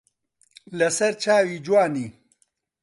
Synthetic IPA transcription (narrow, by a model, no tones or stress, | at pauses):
lɐsɐɾt͡ʃaːwid͡ʒwaːni